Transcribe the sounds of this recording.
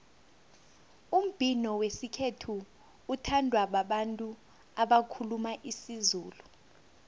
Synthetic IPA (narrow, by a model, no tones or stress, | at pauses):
um̩b̥ʱinɔwesikʰetʰuː | tʰandʱwaɓaɓantʼu | aɓakʰulumaʔisizuːlu